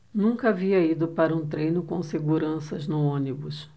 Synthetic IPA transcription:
nũŋkɐaviɐid̪ʊpaɾɐũt̪ɾejnʊkõw̃seɡuɾɐ̃sɐznʊõnibʊs

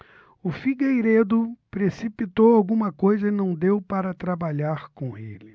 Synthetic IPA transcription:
ʊfiɡejɾed̪ʊpɾesipit̪owawɡũmɐkojzɐɪnɐ̃w̃d̪ewpaɾɐt̪ɾabaʎaɾkõḛlɪ

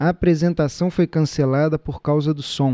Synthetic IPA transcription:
ɐːpɾezẽnt̪asɐ̃w̃fojkɐ̃selad̪ɐpoɾkawzɐd̪ʊsõ

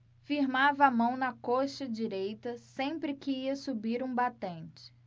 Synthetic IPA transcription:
fiɾmavɐːmɐ̃w̃nɐkoʃɐd͡ʒiɾejt̪ɐsẽpɾɪkɪiɐsubiɾũbat̪ẽnt͡ʃɪ̥

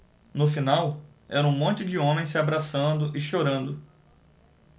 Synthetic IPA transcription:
nʊfinaw | ɛ̰ɾɐũmõnt͡ʃɪd͡ʒɪõmẽj̃sɪabɾasɐ̃nd̪ʊʔɪʃoɾɐ̃nd̪ʊ

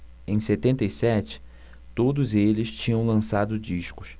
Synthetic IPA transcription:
ẽj̃set̪ẽnt̪ejsɛt͡ʃɪ̥ | t̪od̪ʊzelɪst͡ʃĩɲɐ̃w̃lɐ̃sad̪ʊd͡ʒiʃkʊ̥s

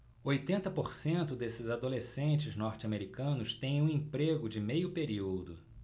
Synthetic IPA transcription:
ojt̪ẽnt̪ɐpoɾsẽnt̪ʊd̪esɪzad̪olesẽnt͡ʃɪznɔɾt͡ʃɪameɾikɐ̃nʊst̪ẽj̃ũẽpɾeɡʊd͡ʒɪmejʊpeɾiwd̪ʊ

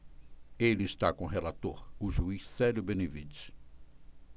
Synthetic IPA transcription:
elɪist̪akõɦelat̪oɾʊʒuisɛljʊbẽnevid͡ʒɪ̥

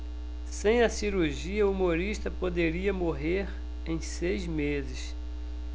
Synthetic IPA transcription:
sẽj̃ɐsiɾuɾʒiɐuumoɾiʃt̪ɐpod̪eɾiɐmoɦeɾ | ẽj̃sejzmezɪs

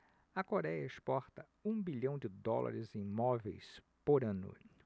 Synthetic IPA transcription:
ɐkoɾɛjɐespɔɾt̪ɐ | ũbiʎɐ̃w̃d͡ʒɪd̪ɔla̰ɾɪzẽj̃mɔvejs | poɾɐ̃nʊ̰

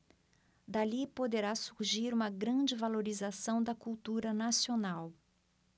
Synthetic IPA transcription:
d̪alipod̪eɾasuɾʒiɾũmɐɡɾɐ̃d͡ʒɪvaloɾizasɐ̃w̃d̪ɐkuwt̪uɾɐnasionaw

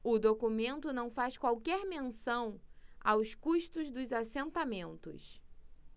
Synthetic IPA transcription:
ʊd̪okumẽnt̪ʊnɐ̃w̃faskwawkɛɾmẽsɐ̃w̃a̰wskuʃt̪ʊzd̪ʊzasẽnt̪amẽnt̪ʊ̰s

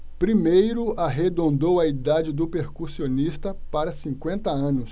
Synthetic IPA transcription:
pɾimejɾʊʔaɦed̪õnd̪owɐid̪ad͡ʒɪd̪ʊpeɾkuɾsionist̪ɐpaɾɐsĩkwẽnt̪ɐɐ̃nʊs

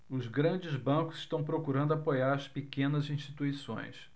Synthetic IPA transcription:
ʊzɡɾɐ̃d͡ʒɪzbɐ̃kʊz̥ɪʃt̪ɐ̃w̃pɾokuɾɐ̃nd̪ʊapojaɾɐspekẽnɐzĩʃt͡ʃit̪uisõ̰j̃s

